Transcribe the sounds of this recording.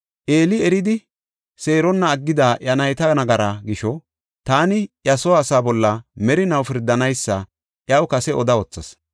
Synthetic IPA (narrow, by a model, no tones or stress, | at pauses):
ʔeːlɪɛɾɪd̪ɪ | se̞ːɾɔnːɐːɡːɪd̪aːʔjɐnɐjt̪ɐnɐɡɐɾaɡɪʃɔ | t̪aːnɪʔjɐsɔːsaːbɔlːɐmɛɾɪnɐwfɪɾd̪ːɐnɐjsːɐ | ʔjɐwkɐsɛɔd̪ɐɔt͡sːɐs